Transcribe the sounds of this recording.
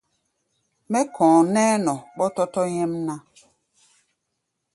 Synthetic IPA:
mɛ˦kʰɔ̃ː˨nɛ˦nɔ˨ɓɔ˦tɔ˦tɔ˦ɲɛ˦mna˦

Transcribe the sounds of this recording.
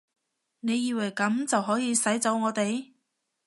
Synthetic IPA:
ne˨˧jiː˨˧wɐ˨˩jkɐ˨˥mt͡sɐ˨wɦɔː˨˥jiː˨˧sɐ˨˥jt͡sɐ˨˥wŋɔː˨˧t̪e˨j

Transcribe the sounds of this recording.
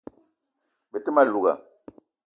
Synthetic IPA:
be˨te˦ma˦˨lu˨ɡa̰˨

